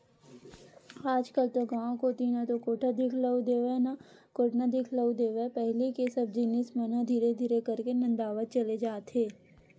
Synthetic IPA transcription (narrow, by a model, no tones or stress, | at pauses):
aːd͡ʒkəlt̪oɡãːõkot̪inat̪okoːʈʰad̪ɪkʰləwd̪eːʋenakoːʈnad̪ɪkʰləwd̪eːʋepɛɦlikesɐb̚d͡ʒinɪsmɐnãd̪ʱiːɾed̪ʱiːɾekɐɾkenɐ̃nd̪aːʋət̪̚t͡ʃɐled͡ʒaːt̪ɦeː